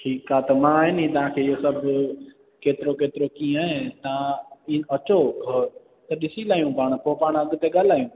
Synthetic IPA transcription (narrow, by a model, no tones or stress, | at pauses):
ʈʰiːkaːt̪əmãːɦɪnĩːt̪ɐʋ̤ãːkʰeːɪɦosəbʱ | keːt̪ɪɾokeːt̪ɪɾokĩːaːɦẽt̪ãɐt͡ʃoː | t̪ɐɗɪsilaːjũːpaːɽ̃poːpaːɳ̃ɐɠt̪eɠaːlaːijũː